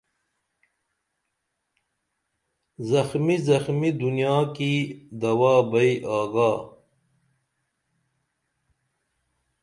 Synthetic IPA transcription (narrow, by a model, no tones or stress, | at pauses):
zɐxmizɐxmid̪unijaːkid̪ɐwaːbɐiʔaːɡaː